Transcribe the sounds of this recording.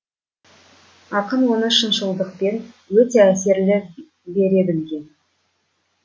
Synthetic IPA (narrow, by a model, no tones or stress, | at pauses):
ɑqənwo̞nəʃənʒəlˠd̪əq̚pe̞nwɵt̪e̞æse̞ɾlɪ | be̞ɾe̞bɪlɡʲe̞n